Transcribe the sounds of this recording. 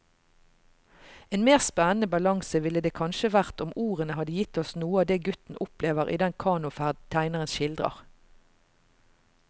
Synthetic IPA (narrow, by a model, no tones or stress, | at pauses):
eːnmeːʁspɛnən̩əbɑlɑŋsəʋɪləd̪eːkʰɑnʃəʋæʁt̪ʊmuːʁənəhɑd̪əjɪt̪ɔsnuːəɑːd̪eːɡʉt̪n̩ʔʊpleːʋəʁʔḭːd̪ɛnkʰɑːnʊfæʁd̪t̪ʰæɪnəʁənʃɪld̪ʁə̰ʁ